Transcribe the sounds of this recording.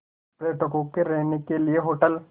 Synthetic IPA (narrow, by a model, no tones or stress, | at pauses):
pɾeːʈəkõkeɾɛɦnekelieɦoːʈəl